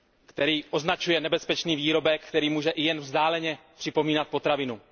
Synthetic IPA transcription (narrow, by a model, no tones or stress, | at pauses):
kt̪ɛɾiːʔo̞znat͡ʃujɛnɛbɛspɛt͡ʃniːviːɾo̞bɛkkt̪ɛɾiːmuːʒɛʔɪjɛnvzdaːlɛɲɛpr̥ɪpo̞miːnat̪̚po̞t̪ɾavɪnu